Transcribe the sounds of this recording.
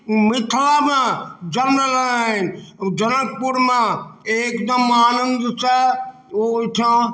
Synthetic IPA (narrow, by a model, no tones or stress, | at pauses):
mɪt̪ʰlabãd͡ʒɐɾmələnaːɦɪnd͡ʒɐnəkpʊɾmãeːkd̪əmaːnə̃nd̪t͡ʃə | ot̪ʰiãː